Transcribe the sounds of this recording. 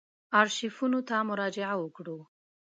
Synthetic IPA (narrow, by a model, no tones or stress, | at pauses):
ɑɾʃifunot̪amʊɾɑd͡ʒɪʕawəkɽu